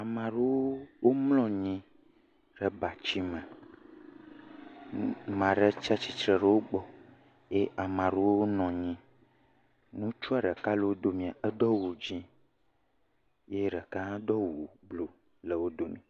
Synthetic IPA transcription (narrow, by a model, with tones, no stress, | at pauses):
a˨mã˨ɖe˦wo˦wo˦mlɔ̃˦ɲĩ˦ | ɖɛ˨ba˨t͡ʃi˦mɛ̃˨ | mã˨ɖe˦t͡ʃa˦t͡ʃi˨t͡ʃɾə˨ɖə˦wo˦ɡ͡bɔ˦ | je˦ʔa˨mã˨ɾe˦wo˦wo˦nɔ̃˨ɲĩ˦ | nũ˦t͡ʃu˦a˨ɖə˨ka˦lə˨wo˦d̪o˦mĩ˨a˨ə˦d̪ɔ˦wu˨d͡ʒĩ˦ | je˦ɖə˨ka˦d̪ɔ˦wu˨blo˨ | lə˨wo˦d̪o˦nḭ̃˨